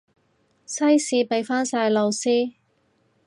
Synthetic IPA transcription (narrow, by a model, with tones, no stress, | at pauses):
sɐ˥jsiː˨˧pe˨˧jfaː˥nsaː˧jlo˨˧wsiː˥